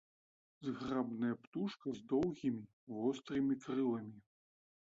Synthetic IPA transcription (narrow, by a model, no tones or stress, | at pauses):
zɣrabnɐjɐpt̪uʂkɐzd̪ɔwɣʲimʲi | vɔst̪ɾɨmʲikɾɨlˠɐmʲi